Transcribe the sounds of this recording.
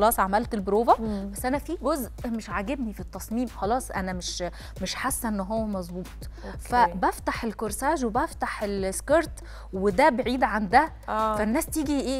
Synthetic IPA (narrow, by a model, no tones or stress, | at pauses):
ɑlɑːsˤʕamælt̪elbɾoːvæbæsːʔænæfiːɡozʔmeʃʕaɡebnifit̪ːɑsˤmiːmxɑlɑːsˤʔænæmeʃ | meʃħasːæʔenːɦowːæmɑzˤbuːt̪ˤ | fæbæft̪aħelkoɾsæːʒwebæft̪aħelskeɾt̪ | wed̪æbeʕiːd̪ʕand̪æ | fænːæːst̪iːɡiʔeː